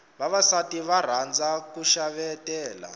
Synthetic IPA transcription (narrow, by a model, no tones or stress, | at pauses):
βaβasatiβar̤and͡zakuʃaβɛtɛːla̰